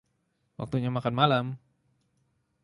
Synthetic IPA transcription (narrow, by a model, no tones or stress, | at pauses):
wa̰k̚t̪uɲamakanmalam